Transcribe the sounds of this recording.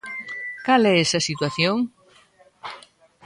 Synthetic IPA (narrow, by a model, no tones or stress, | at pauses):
kalɛesɐsit̪waθjoŋ